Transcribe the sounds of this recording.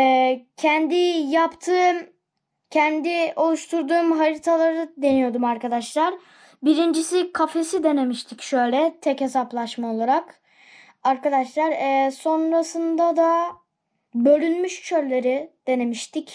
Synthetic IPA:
ɛːcʰɛnd̪ijapt̪ʰɯːm | cʰænd̪io̞lˠuʃt̪ʰuɾd̪uːmɦaɾit̪ʰalˠaɾɯd̪e̞nijo̞d̪umaɾkad̪aʃlˠaɾ | biɾind͡ʒisikʰafe̞sid̪e̞ne̞miʃt̪ʰicʃø̞jlʲɛt̪ʰɛche̞saplˠaʃmao̞lˠaɾak | aɾkad̪aʃlˠaɾɛso̞nɾasɯnd̪ad̪a | bø̞lʲynmyʃt͡ʃʰø̞llʲe̞ɾid̪̥e̞ne̞miʃt̪ʰic

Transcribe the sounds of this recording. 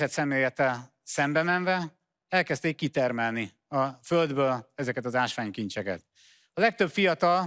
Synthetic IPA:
ɛt̪sɛmeːjɛt̪ːɛl | sɛmbɛmɛɱvɛ | ɛlkɛst̪eːkːit̪ɛrmɛlni | ɒføld̪bøːlɛzɛkɛt̪ɒzaːʃʋaːɲkint͡ʃɛkɛ̰t̪ | ɒlɛk̚t̪ø̞bfijɒt̪ɒl

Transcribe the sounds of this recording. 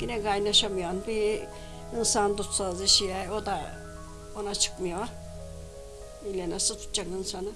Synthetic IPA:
ɡ̥inɛɡajnaʃamɯjanbi | insand̪ut̪saziʃijajod̪a | onat͡ʃʰɯ̥kmɯjoa | ilʲɛnasɯt̪ʰu̥t̪ːt͡ʃakɯnsanɯ

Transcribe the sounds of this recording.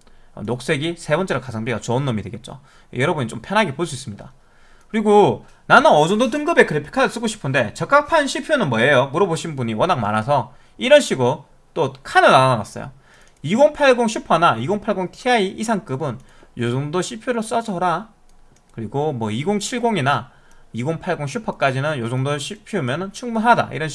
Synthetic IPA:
ʌ̰nok̚s͈e̞ɡisʰebʌnt͡ɕ͈e̞ɾokasʰaŋtɥijʌt͡ɕoɯnːomidweɡet̚t͡ɕ͈o̰ | jʌɾʌbunit͡ɕ͈ompʰjʌnɦaɡepoɭs͈uis͈ɯmɲida̰ | kɯɾiɡo | nanɯnʌd͡ʑondot̬ɯŋɡɯbe̞kɯɾepʰi̥kʰaɯɭs͈ɯɡoɕʰi̥pʰɯnde̞t͡ɕʌk͈ak̚pʰanɕʰiɭpʰjonɯnmwʌejomuɾʌboɕʰinbuɲiwʌnak̚ma̰nas̬ʰʌ | iɾʌnɕʰiɡo | t͈okʰanɯɭanana̰s͈ʌ̰jo̰ | iɡoŋpʰaɭɡoŋɕʰupʰʌnaiɡoŋpʰaɭɡoŋtʰiaiʔisʰaŋk͈ɯbɯn | josoŋdoɕʰiɭpʰjoɾos͈ʌd͡ʑʌɾa | kɯɾiɡomwʌiɡoŋt͡ɕʰiɭɡoŋina | iɡoŋpʰaɭɡoŋɕʰupʰʌk͈ad͡ʑinɯnjosoŋdoɕʰipʰjomjʌnɯnt͡ɕʰuŋbunɦada̰ʔḭɾʌnɕ

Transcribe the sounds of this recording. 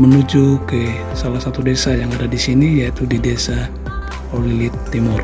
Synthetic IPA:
mənud͡ʒukə | salahsat̪udesajaŋadadisinijait̪udidesa | olilit̪ːimʊr

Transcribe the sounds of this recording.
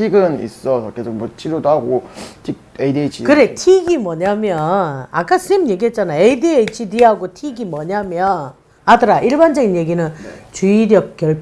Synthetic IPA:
tʰiɡɯnḭs͈ʌsʰʌkesʰomwʌt͡ɕʰiɾodɦaɡotʰik̚eidiet͡ɕʰikɯɾe̞tʰiɡimwʌɲamjʌnak͈as͈ʰɯemje̞ɡiɦet̚t͡ɕ͈anajeidiet͡ɕidiɦaɡotʰiɡimwʌɲamjʌn | adɯɾaʔiɭband͡ʑʌɡinje̞ɡinɯnt͡ɕuiɾjʌk̚k͈jʌɭp

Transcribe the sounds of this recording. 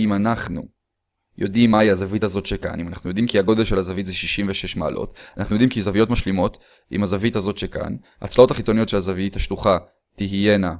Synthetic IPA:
imanaχnṵ | jo̞̰dimːaiazavitazo̞tʃeka̰nimanaχnujo̞d̪imkiaɡo̞d̪elʃelazavitzeʃiʃimveʃe̞ʃma̰ːlʔo̰tanaχnujo̞dimkizavijo̞tmaʃlimo̞t | ḭmazavitazo̞tʃeka̰n | a̰t͡slao̞taχit͡so̞nijo̞tʃelazaviithaʃluχa | tiɦje̞na

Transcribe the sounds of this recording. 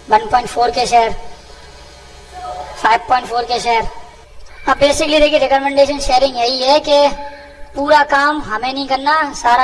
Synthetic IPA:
ʋɐ̃npɔ̃ːɪ̃ɳʈfʰoːɾkeʃɛːəɾ | faːɪʋpɔ̃ːɪ̃ɳʈfoːɾkeʃeːəɾ | ãbeːsɪklid̪eːkiɾekɔmɛ̃ɳɖeːʃənʃeːɾɪ̃ŋɡjɐiɦɛːke | puːɾaːkaːmɦəmẽnĩkənːasaːɾa

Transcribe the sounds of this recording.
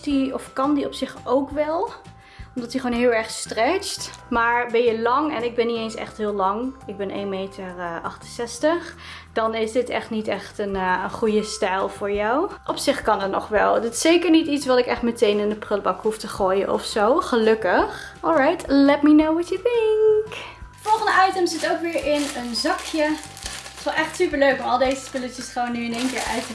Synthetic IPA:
diɔfkɑndiɔpsɪχowkʋɛlˠ | ɔmdɑtdiχʋoːnɦɪːlˠɛɹχstrɛt͡ʃtmaːɹbɛnjəlɑŋɛ̰nɪɡ̚bɛnːitejnsɛ̰χtɦɪːlɑŋɪɡ̚bɛnʔḛːnmejtərʔɑχtənsɛstəχd̥ɑnɪsdɪtɛ̰χtnitɛχtənənχujəstɛjlˠv̥ʊːɹjawʔɔpsɪχkɑnətnɔ̰χʋɛlˠdɪtɪ̥sejkəɹnititsʋɑtɪkɛχtmətejnɪndəprɪlbɑkɦuftəχoːjə̰nʔɔ̰fsowχəlɵkəχ | ɔlˠɹajtlɛtminowwɔtətɪŋk | fɔlˠχə̃ndəɑjtəmzɪtowkʋɪːɹʔɪnənzɑkjə | tʋɛlˠʔɛχtsypəɹløɥkɔɑlˠdejzəspɪlətəsχownːyɪneːnkɪːɹa̰ɥtə

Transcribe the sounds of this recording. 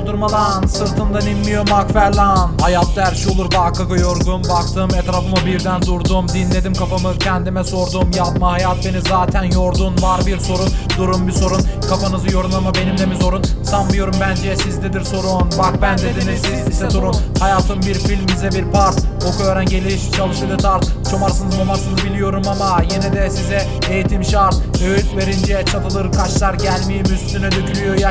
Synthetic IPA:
od̪uɾmalˠansɯɾt̪ʰɯnd̪aninmijo̞ɾmakfæɾlanhajat̪ʰːaæɾʃio̞lˠuɾbakʰaɡɯjoɾɡunbakt̪ʰɯmɛt̪ɾaːfɯmɯbiɾd̪ænd̪uɾd̪umd̪inlʲe̞d̪imkʰafamɯzcʰɛænd̪imɛso̞ɾd̪umjapmahajat̪̚be̞nizaːt̪ʰænjoɾd̪unvaɾbiɾso̞ɾund̪uɾumbiso̞ɾunkʰafanɯzɯjo̞ɾunlˠamabe̞nimlɛmizo̞ɾunsanmɯjo̞ɾumbænd͡ʒɛsizned̪iɾso̞ɾunbak̚bænd̪ed̪enisizisɛd̪uɾunshajaːt̪ʰɯmbiɾfilʲmːizɛbiɾpʰaɾt̪okʰoɾænɟe̞lʲiʃt͡ʃʰalˠɯʃed̪ɯt̪ʰaɾt̪t͡ʃʰomaɾsɯnɯzmamaɾsɯnɯzbilʲijo̞ɾumamajenɛd̪ɛsizɛ | ejit̪ʰimʃaɾt̪øjyt̪ve̞ɾind͡ʒɛt͡ʃʰat̪ʰɯlˠɯɾkʰat͡ʃlˠaɾɟælʲmijmyst̪ynɛd̪ycʰylʲyjoj

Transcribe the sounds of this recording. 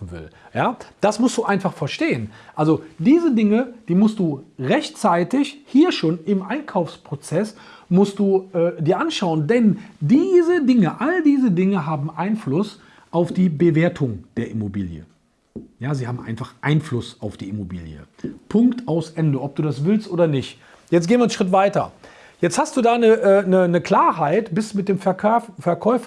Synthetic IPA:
fn̩vɪ̰ljaːd̥asmʊstd̥uːʔaɪnfaχfɛɐʃteːənʔalzodiːzədɪŋəd̥iːmʊst̚d̥uːʁɛçt͡saɪtɪçhiːɐʃoːnɪmʔaɪnkʰaʊfspʁ̥ot͡sɛsmʊst̚d̥uːʔɛːdiːɐʔanʃaʊəndɛndiːzədɪŋəʔaldiːzədɪŋəɦaːbm̩ʔaɪnflʊs | ʔaʊfd̥iːbəveːɐtʰʊŋd̥eːɐʔɪmobiːljə̰ | jaːziːɦaːbm̩ʔa̰ɪnfaχʔa̰ɪnflʊsaʊfd̥ḭːɪmobḭːljə̰ | pʰʊŋktʰaʊsʔɛndəʔɔp̚d̥uːdasv̥ɪlstʔoːdɐnɪçt | jɛt͡stɡeːnviɐən̩ʃʁ̥ɪtv̥aɪtɐ̰ | jɛt͡sthast̚d̥uːdaːnəʔɛnənəkl̥aːɐɦaɪtb̥ɪsdumɪt̚d̥eːmfɛfɛɐkʰɔʏf

